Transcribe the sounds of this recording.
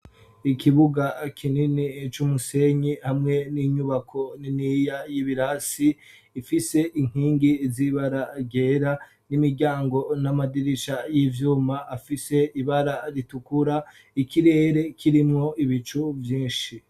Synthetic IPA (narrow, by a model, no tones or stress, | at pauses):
ikʰiβuɡakʰininit͡ʃumuse̞ɲihamŋe̞niɲuβakʰo̞ninijajiβiɾasiː | fise̞ʔiŋ̥hiːŋɡiziβaɾaɟe̞ɾa | nimiɾɟaːŋɡo̞namadiɾiʃajivjuːmaʔːfise̞iβaɾaɾitukuɾa | ikiɾe̞ːɾe̞kʰiɾimŋo̞iβit͡ʃuvjĩːnʃi